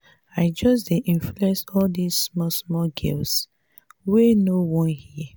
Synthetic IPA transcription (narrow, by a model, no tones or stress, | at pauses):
aɪd͡ʒɔsdeʔĩnfluɛ̃nsɔldizsmɔsmɔlɡḭls | wenowɔ̃nhi